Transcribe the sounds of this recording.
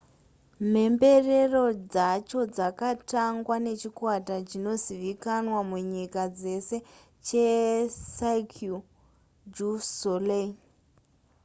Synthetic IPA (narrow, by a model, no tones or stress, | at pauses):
me̞mbe̞re̞ro̞d͡zat͡ʃo̞d͡zakataŋɡwane̞t͡ʃikwatat͡ʃino̞ziʋikanwamuɲikad͡ze̞se̞ | t͡ʃesaikʰu | d͡ʒusolen